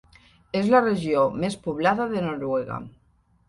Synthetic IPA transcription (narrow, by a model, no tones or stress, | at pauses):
ezlareʒjomespuβlaðaðenoɾweɣa̰